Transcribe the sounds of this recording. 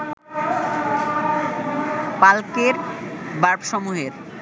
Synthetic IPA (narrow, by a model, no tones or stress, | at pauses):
palkeɾbaɾbʃɔmuɦeɾ